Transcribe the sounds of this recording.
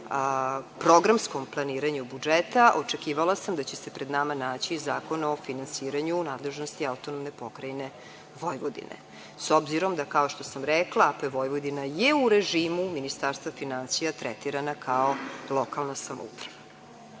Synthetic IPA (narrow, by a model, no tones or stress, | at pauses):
pɾoɡɾamsko̞mplˠaniːɾaɲubud͡ʒet̪aʔot͡ʂekiːʋalasamd̪at͡ɕesepɾed̪namanaːt͡ɕizaːko̞nao̞finansiːɾaɲunaːd̪le̞ʒnost̪iaut̪onomnepo̞kɾajne | ʋojʋod̪ḭnḛ | sobziɾo̞md̪akao̞ʃt̪o̞samɾɛklˠaapeʋo̞jʋod̪inajeuɾeʒiːmuminist̪aɾst̪vafinansijat̪ɾɛt̪iɾanakʰaolˠokʰalnasamo̰ṵpɾaʋa